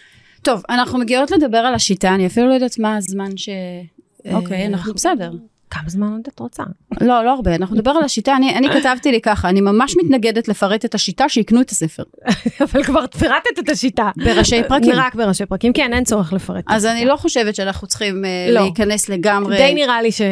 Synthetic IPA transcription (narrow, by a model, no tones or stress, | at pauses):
to̞vanaχnumeɡio̞tle̞d̪abeʁalaʃitaːniafilulojdatmazmanʃe̞ | okejanaχnubesedeʁ | kamazmanod̪at̪ʁot͡sa̰lo̞lo̞aʁbeanaχnund̪abe̞ʁalaʃitaːnianikatavt̪ilikaχaːnimamaʃmit̪naɡe̞detlefaʁetetaʃitaʃeiknuetase̞fe̞̰ʁavalkvaʁt̪fiʁat̪et̪et̪aʃitabeʁaʃejpʁakiʁakbeʁaʃejpʁakimkienent͡soʁeχlefaʁetazanilo̞χo̞ʃevetʃeanaχnut͡sχimeleikane̞sle̞ɡamʁed̪ejniʁaliʃe